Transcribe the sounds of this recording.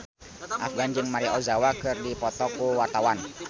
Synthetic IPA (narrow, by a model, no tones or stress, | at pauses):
ʔafɡand͡ʒɨŋmaɾiɔzawakɨrdipɔt̪ɔkuwart̪awan